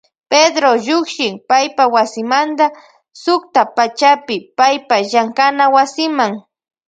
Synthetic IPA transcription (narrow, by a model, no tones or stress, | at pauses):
ped̪ɾoʎʊkʃɪŋpajpawasɪmant̪a | sʊk̚t̪apat͡ʃapɪpajpaʒaŋkanawasɪmaŋ